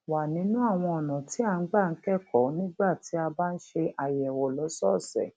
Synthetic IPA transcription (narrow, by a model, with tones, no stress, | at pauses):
wa˨nĩ˨˦nũ˦a˦˨w̃ɔ̃˧ɔ˨nã˨ti˨˦a˦˧˨ŋ̩˦ɡ͡ba˦˨n̩˦kɛ˦˨kʰɔ˨˦nĩ˦ɡ͡ba˦˨ti˨˦a˧baː˦n̩˦ʃe˧ʔa˨jɛ˨wɔ˨lɔ˨˦sɔ˦˨sɛ̰˨